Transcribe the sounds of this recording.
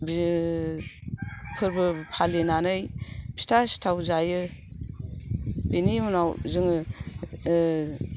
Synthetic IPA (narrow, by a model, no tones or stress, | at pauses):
bi | pʰɯɾbɯpʰalenanɯjb̥i̥stʰasi̥tʰawzajɯ | benimunawzɯŋɯ